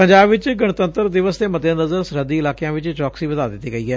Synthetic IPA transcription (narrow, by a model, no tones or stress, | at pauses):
əɲd͡ʒaːbʋɪt͡ʃɡəɳt̪ə̃nt̪əɾd̪ɪʋəsd̪eːmət̪ẽːnəzəɾsɾəd̪iːɪlaːkejãːʋɪt͡ʃt͡ʃɔːksiːʋəd̪aːd̪ɪt̪ːiːɡəiːɛː